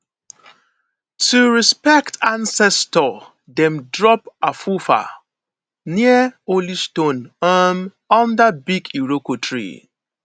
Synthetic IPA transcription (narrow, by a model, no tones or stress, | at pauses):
tuɹispɛktãnsɛstɔ | dɛ̃mdɹɔpafufa̰ | niəolistõnəm | ɔ̃ndəbiɡiɹokotʰɹḭ